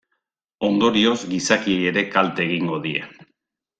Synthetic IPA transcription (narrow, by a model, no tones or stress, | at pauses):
o̞nd̪o̞ɾio̞zɡisakieje̞ɾe̞kalt̪eːɣiŋɡo̞ðie̞̰